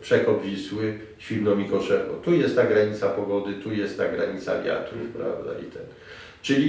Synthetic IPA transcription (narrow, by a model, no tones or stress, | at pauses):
pʂɛkɔb̪vʲiswɘ | ɕʲilnɔmʲikɔʂɛvɔ̰t̪ujɛst̪t̪ːaɡɾaɲit̪sapɔɡɔd̪ɘt̪ujɛst̪t̪ːaɡɾaɲit̪sa̰lʲja̰t̪ufpɾa̰vd̪a̰ḭt̪ʰɛn | t͡ʂɘlʲi